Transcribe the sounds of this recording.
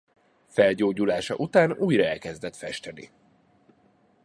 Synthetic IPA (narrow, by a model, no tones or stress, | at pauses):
fɛlɟoːɟulaːʃɒ̰ʔut̪aːnuːjrɒɛlkɛzd̪ɛt̪fɛʃt̪ɛnḭ